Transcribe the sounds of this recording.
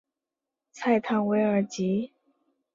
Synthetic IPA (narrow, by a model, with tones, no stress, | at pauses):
t͡sʰa˥˧ɪt̪ʰa˥˩ŋwe˧˥ɪə˞˧˥t͡ɕi˧˥